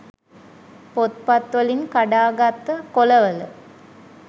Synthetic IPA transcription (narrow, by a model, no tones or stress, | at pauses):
pot̪pat̪ʋəliŋkaɖaːɡat̪ːəkoləʋələ